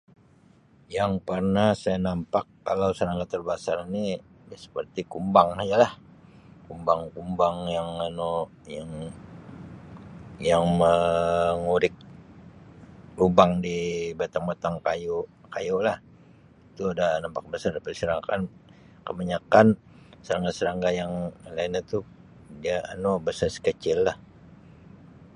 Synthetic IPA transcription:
jaŋpərnasajanampakːalawsəɾaŋɡat̪ərbasarini | dasə̥pərt̪ikumbaŋad͡ʒalah | kumbaŋkumbaŋjaŋano | jaŋ | jaŋməŋuɾɪk̚ | ubaŋdibat̪aŋbat̪aŋkajokajolah | it̪uadanampak̚bəsardipərisəɾakan | kəbaɲakan | səɾaŋɡasəɾaŋɡajaŋlainat̪u | dia̰ːnobəsarsə̥kət͡ʃɪlːah

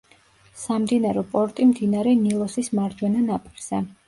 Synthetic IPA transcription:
samd̪inaɾɛpʼɔɾt̪ʼimd̪inaɾɛnilˠɔsismaɾdd͡ʒwɛnanapʼiɾz̥ɛ

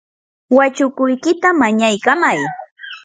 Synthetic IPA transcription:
wat͡ʃʊkʊjkɪt̪amaɲajkamaj

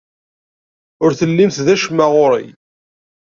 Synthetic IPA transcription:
ʊɾθəlːimθðæʃmaʁʊɾḭj

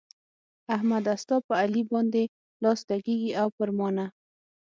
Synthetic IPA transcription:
ahmad̪ast̪ɑpəalibɑnd̪e | lɑsd̪aɡeɡiʔawpəɾmɑna

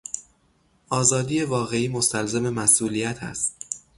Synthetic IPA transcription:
ʔɒːzɒːd̪iːje̞vɒːɣe̞iːmo̞st̪ælzeme̞mæsʔuːlijæt̪ʰæ̰st̪̚

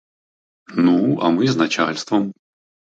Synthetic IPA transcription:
nuɐ̰mɨznɐt͡ɕa̰lʲst̪vəm

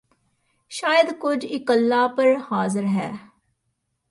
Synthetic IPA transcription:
ʃaːjəd̪kʊd͡ʒɪkəlːaːpəɾhaːzəɾɦɛː

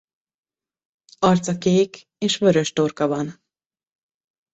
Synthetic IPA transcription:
ɒrt̪sɒkeːk | eːʃvøɾø̞ʃt̪orkɒvɒn

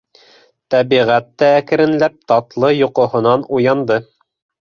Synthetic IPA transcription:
t̪æβiʁæt̪ːæækɘ̆ɾɘ̆nlæp̚t̪ɑt̪lˠɤjŏqŏɦŏnɑnujɑnd̪ɤ

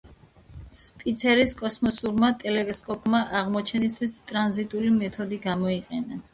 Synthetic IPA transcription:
spʼit̪sʰɛɾiskʼɔsmɔsuɾmat̪ʼɛlɛskʼɔpʼmaʔaʁmɔt͡ʃʰɛnist̪ʰwist̪ʼɾanzit̪ʼulimɛt̪ʰɔd̪iɡamɔiqʼɛna

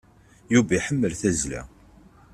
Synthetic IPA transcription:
juvæjħəmːəlθæzlæ̰

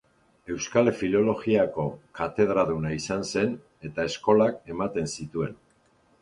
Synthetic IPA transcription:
e̞wskalefilo̞lo̞ɣiako̞kat̪e̞ð̞ɾaðunaisanse̞n | e̞t̪ae̞sko̞lake̞mat̪e̞nsit̪ue̞n

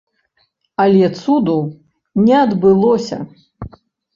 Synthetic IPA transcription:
ɐlʲɛt̪sud̪u | nʲɛɐd̪bɨlˠɔsʲɐ̰

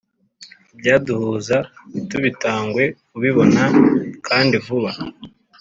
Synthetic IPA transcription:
ibɟaːduhuːzatuβitaːŋɡwe̞kuβiβo̞nakʰaːndivuβa

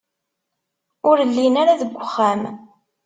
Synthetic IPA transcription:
ʊɾəlːinaɾaðəɡʷːəχːæm

